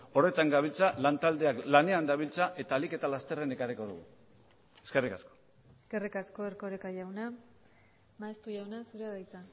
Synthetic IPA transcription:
o̞re̞t̪aŋɡaβilt͡salant̪ald̪e̞aklane̞and̪aβilt͡saʔe̞t̪alike̞t̪alast̪e̞rene̞kariko̞ðṵɣṵ | e̞ske̞rikasko̞̥ | eske̞rikasko̞erko̞ɾekajawna | maest̪uʝawnasuɾeaðajt͡sa

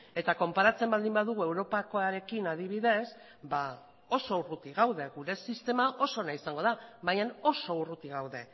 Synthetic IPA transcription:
e̞t̪ako̞mpaɾat͡se̞mbald̪imbaðuɣ̞ue̞wɾo̞pakoaɾe̞kinað̞iβ̞iðe̞s | ba | o̞so̞urut̪iɣawðe̞ɣuɾe̞sist̪e̞maʔo̞so̞naisaŋɡo̞ðaβajɲano̞so̞urut̪iɣawðe̞

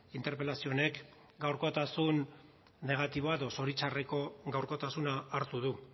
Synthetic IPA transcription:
int̪e̞ɾpe̞lasio̞ne̞k | ɡawɾkot̪asunː | e̞ɣ̞at̪iβ̞o̞aeðo̞so̞ɾit͡ʃareko̞ɣawɾko̞t̪asunaːɾt̪uð̞u

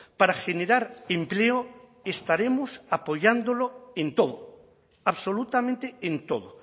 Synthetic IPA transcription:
paɾaxeneɾaɾempleo | est̪aɾemosapoʎand̪oloẽnt̪oðo | aβsolut̪amẽnt̪eent̪oðo

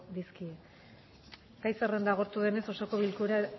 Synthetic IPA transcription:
d̪iskie | ɡ̥ajsere̞nd̪aɣ̞o̞ɾt̪uðe̞ne̞so̞so̞ko̞βilkuɾa

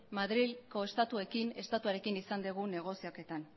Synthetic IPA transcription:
maðɾilko̞e̞st̪at̪ue̞kine̞st̪at̪uaɾe̞kinisand̪eɣ̞une̞ɣ̞o̞sioke̞t̪an

